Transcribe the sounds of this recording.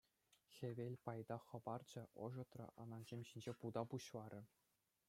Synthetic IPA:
xʲeʋʲelʲpɑjd̪ɑχɤ̆bɑrd͡ʑɘ̆ʔɤ̰̆ʐɤ̆t̪rɤ̰̆ʔɑ̰nɑnʑemʲɕinʲd͡ʑepud̪ɑpuɕlˠɑɾʲɘ̆

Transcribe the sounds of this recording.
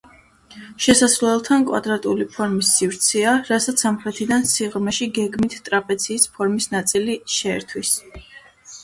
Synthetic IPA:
ʃɛsaslɛlˠt̪ʰankʼwa̰d̪ɾat̪ʼulipʰɔɾmisːivɾt̪sʰɛaɾasat̪sʰamχɾɛt̪ʰid̪ansiʁmɛʃiɡɛɡmit̪ʰt̪ʼɾapʼɛt̪sʰiːspʰɔɾmisnat̪sʼiliʃɛɛ̰ɾt̪ʰwis

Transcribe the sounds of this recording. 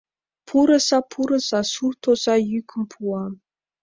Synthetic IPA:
pʰuɾə̆zɑpʰuɾɤ̆z̥ɑsurt̪oz̥ɑjykʰə̆mpʰuɑ

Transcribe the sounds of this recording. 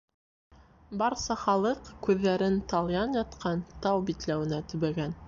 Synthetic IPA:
bɑɾsɑχɑlˠɤqkʉðːæɾɘnt̪ɑlˠjɑnjɑt̪qʰɑnt̪ɑwbit̪læwɘ̆næt̪ɵ̆βæɡæn

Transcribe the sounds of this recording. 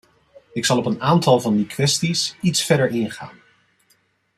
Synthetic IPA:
ɪksɑlˠɔpənaːntɑlˠvɑndikʋɛstisitsfɛɹdəɹɪnχa̰ːn

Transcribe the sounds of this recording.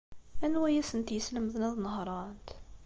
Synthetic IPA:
ænwæjæsənt̪jəsləməðnæðnəhɾˤɑnt̪

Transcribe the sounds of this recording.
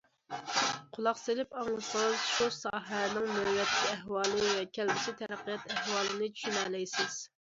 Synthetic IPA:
qʰʊlˠɑqselɪpɑŋlˠɨsəŋzʃusɑːɦɛnɪŋmøjɛt̪ʰːɪiɛɦwɑːlˠɨwɛkʲʰælbɪsɪt̪ʰɛɾæqːijɛt̪ɛhwɑːlˠɨnɨt͡ʃʰy̥ʃynɛːlɛjsɪz̥

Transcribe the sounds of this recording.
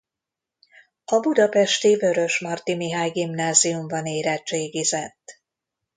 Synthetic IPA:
ɒbud̪ɒpɛʃt̪ivø̞ɾø̞ʃmɒrt̪imiɦaːjɡimnaːzijumbɒneːɾɛt͡ʃeːɡizɛt̪ː

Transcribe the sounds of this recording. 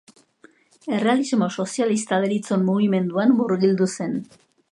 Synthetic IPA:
e̞re̞alizmo̞so̞sialist̪aðeɾit͡so̞nmuɣ̞ime̞nd̪uanːuɾɣild̪use̞n

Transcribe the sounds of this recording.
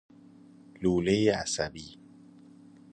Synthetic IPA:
luːlejeæ̰sæbiː

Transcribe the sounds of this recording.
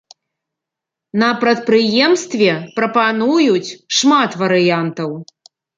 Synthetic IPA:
nɐpɾɐt̪̚pɾɨjɛmst̪vʲɛpɾɐpanujut͡sʲʂmat̪vɐɾɨjant̪ɐw

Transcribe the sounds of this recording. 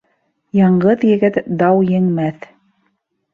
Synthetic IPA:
jɑɴɢɤðjɘ̆ɡɘt̪d̪ɑwjɘ̆ŋmæθ

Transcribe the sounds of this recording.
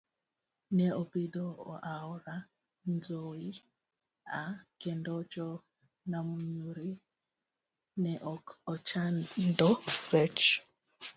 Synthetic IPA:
nɛɔbidɔɔ̰ʔaɔɾa | n̩d͡zoi | akɛndɔd͡ʒɔ | namuɲuɾi | nɛʔɔkɔt͡ʃandɔɾɛt͡ʃ

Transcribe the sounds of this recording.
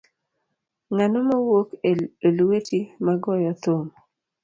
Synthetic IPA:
ŋanɔmawokelwetimaɡɔjɔt̪om

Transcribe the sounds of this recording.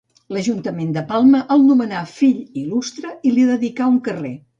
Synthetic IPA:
ləʒunt̪əmend̪əpalˠməʔəlˠnumənafiʎilust̪ɾəiliðəðikauŋkəre

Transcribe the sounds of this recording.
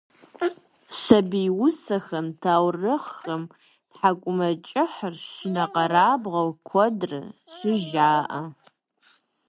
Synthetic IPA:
sɐbijwʊsɐxɐmtʰaːwrɨχxɐm | tħakʷʼʊmɐt͡ʃʼɪħərʃɪnɐqɐɾaːbʁɐwkʷʰɔdrɨ̰ɕʷɪʒaːʔɐ

